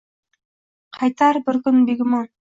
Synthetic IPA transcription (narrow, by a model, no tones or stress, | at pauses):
qʰɑjt̪ɑɾbɘɾkɵnbiɡɪmo